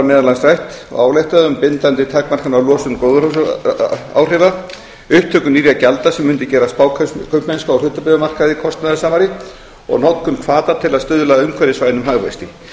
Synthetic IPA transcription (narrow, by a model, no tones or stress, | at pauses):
mɛːðalansɾajht̪ɔ̰ɣa̰ːwlajht̪aðʏmpɪnt̪ant̪ɪt̪ʰɛkmar̥kanawlɔːsʏnkowð | a̰ːwr̥ɪːva | ʏhpt̪ʰːœːkʏniːɾjacalt̪asɛmʏnt̪ɪcɛːɾaspaːwkkʰœpmɛnskaawr̥ʏːt̪apɪðamar̥kaðɪkʰɔst̪naðasaːmaɾɪ | ɔ̰ɣnawt̪kʏnkʰvaːt̪at̪ʰɪlaðst̪ʏːðʏlaðʏmkʰɛɾɪsvajnʏmɦaɣva̰jst̪ɪ